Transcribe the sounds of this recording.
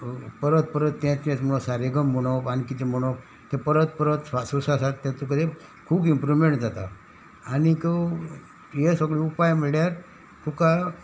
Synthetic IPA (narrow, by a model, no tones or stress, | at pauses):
pəɾət̪̚pəɾət̪ːɛ̃t͡snẽt͡smuɭõsaɾeɡəmːuɽ̃ɔpankit̪emuɳ̃op̚ | t̪ɛ̃pəɾət̪̚pəɾət̪asusasaɾt̪ɛ̃t̪ukəd̪e | kʰuːbimpɾuʋmẽɳʈd͡zat̪a | aːnikə | jesəɡɭiupajm̤əɭjaɾ | t̪ʰũka